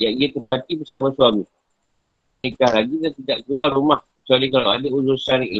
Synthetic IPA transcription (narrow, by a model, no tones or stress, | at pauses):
jaŋiat̪əpat̪ibəsamasuami | nekahlaɡidat̪idaʔɡualɾumahkət͡ʃualikalawadəuzusaniʔla